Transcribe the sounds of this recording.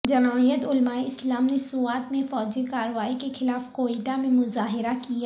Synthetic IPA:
d͡ʒɐnaːijət̪ʊlmaːeɪslaːmnesʊaːt̪mẽfɔːd͡ʒekaːɾəʋaːikexɪlaːfkoːiːʈamẽmʊzaːɦɪɾakija

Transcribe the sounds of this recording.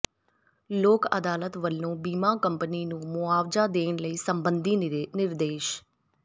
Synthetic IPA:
loːkə̰d̪aːlət̪ʋəlːõːbiːmãːkəmpəniːnũːmʊaːʋzaːd̪eːnləiːsəmbənd̪iːnɪɾd̪eːʃ

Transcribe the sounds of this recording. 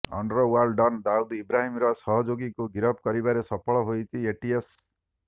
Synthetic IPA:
ɔ̰ɳɖɾɔwaɾlɖɔnd̪aud̪ibɾaɦimɾɔsɔɦɔd͡ʒoɡikuɡiɾɔp̚ʰkɔɾibaɾesɔpʰɔɭɔɦojt͡ʃʰieʈies

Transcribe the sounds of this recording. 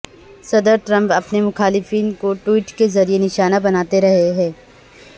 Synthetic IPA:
sɐd̪əɾʈɾɐ̃mpɐpnemʊxaːlɪfiːnkoʈwiːʈkezɐɾienɪʃaːnabɐnaːt̪eɾɐɦeɦɛ̃ː

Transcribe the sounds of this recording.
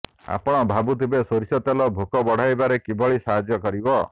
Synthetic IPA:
a̰pɔɽ̃ɔbʱabut̪ʰibesoɾisɔt̪alɔbʱokɔbɔɽ̤ajbaɾekibʱɔɭisaɦad͡ʒjɔkɔɾibɔ

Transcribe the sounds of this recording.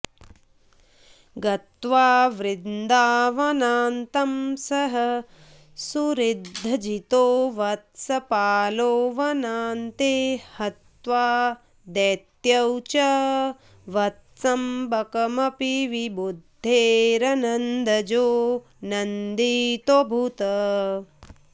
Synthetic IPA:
ɡɐt̪ʋaːʋɾɪd̪d̪aːʋɐnaːnt̪ɐmsɐɦɐ | suɾid̪ʱːɐd͡ʒit̪oːʋɐt̪sɐpaːloːʋɐnaːnt̪eːhɐt̪ʋaː | d̪eːt̪jɐwt͡ʃɐ | ʋɐt̪sɐmbɐkɐmɐpiʋibud̪ʱːeːɾɐnɐnd̪ʱɐd͡ʒoː | nɐnd̪it̪obʱut̪ɐ

